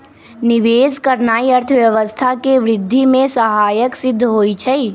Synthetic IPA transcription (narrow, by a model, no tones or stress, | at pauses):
nɪʋeːskəɾnaːiɐɾt̪ʰəʋjɐʋəst̪ʰakeʋɾɪd̪ʱːimẽsɐɦaːjəksɪd̪ʱːɦoːit͡ʃʰɛi